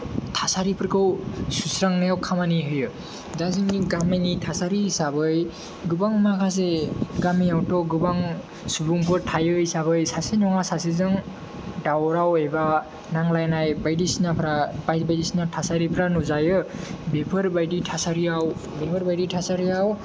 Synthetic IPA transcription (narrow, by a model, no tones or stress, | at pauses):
tʰasaɾipʰɾkʰɯwsusɾaŋnajawkʰamaniɦɯjɯ | zasiŋniɡamajnitʰasaɾisabɯj | ɡɯbaŋmakʰas̬eɡamiawtɔɡɯbaŋ | subuŋpʰɯɾtʰajɯjsaβɯjsasenɔŋasasezɯŋ | dawɾaweba | naŋlajnajbajdisinapʰɾabajbajdisinatʰasaɾipʰɾanuzajɯbepʰɯɾbajditʰasaɾiaw | bepʰɯɾbajditʰasaɾiaw